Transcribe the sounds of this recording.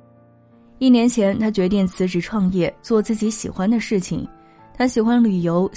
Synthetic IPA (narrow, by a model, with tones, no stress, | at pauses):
i˥˩njɛ˧˥nt͡ɕʰjɛ˧˥nt̪ʰa˥t͡ɕɥɛ˧˥t̪̬i˥˩ŋt͡sʰɹ̩˧˥ʈ͡ʂɻ̩˨˩ʈ͡ʂʰwɑ˥˧ŋjɛ˥˩t͡swɔ˥˧t͡sɹ̩˥˩t͡ɕi˧˥ɕi˨˩xwa˥nd̪ə˨ʂɻ̩˥˩t͡ɕʰḭ˨˩ŋ | t̪ʰa˥ɕi˨˩xwa˥nly˨˩jo˧˥ʊ